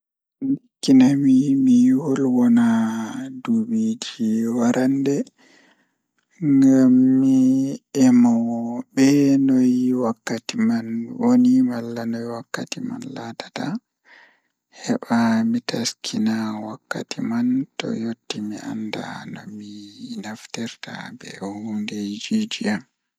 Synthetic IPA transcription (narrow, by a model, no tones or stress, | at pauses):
nikːinamimiwɔlwɔnadubid͡ʒiwaɾʔandɛ | ŋɡamːiɛmawɔbɛnɔjiwakːatimanwonimalːanɔjwakːatima̰nlatḁta | hɛɓamitaskʰinawakːatimantɔ̰jotːimiʔa̰nda̰nɔ̰minaftɛɾta̰bɛ̰hunded͡ʒid͡ʒiam